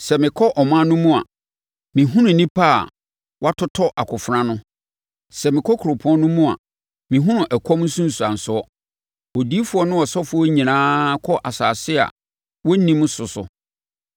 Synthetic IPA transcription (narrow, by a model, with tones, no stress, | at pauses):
sɛ˨mɪ̃˨kʰɔ˦ʔɔ˨mã˦nʊ̃˦mũ˦a̰˨ | mĩ˨ɦʊ̃˦nʊ̃˨nĩ˦pʰa˦a̰˨ | wʔa˦tʰʊ˦tʰɔ˦ʔa˨kʰʊ˨fɾã˦nʊ̃˦ | sɛ˨mɪ̃˨kʰɔ˦kʰu˨ɾo˨pʰʊ˦ɔ̃˦nʊ̃˦mũ˦a̰˨ | mĩ˨ɦʊ̃˦nʊ̃˨ʔɛ˨kʰɔ˦m˦n̩˦sũ˦n̩˨su˨ã˨n̩˨sʊ˨˦ɔ˦ | o˨di˦fʊ˨˦ɔ˦nʊ̃˦ɔ˨sɔ˦fʊ˨˦ɔ˦ɲĩ˨nãː˦kʰɔ˦ʔa˨saː˨sɪ˦a̰˨ | wɔ˦nĩ˦m˦sʊ˨sʊ̰˨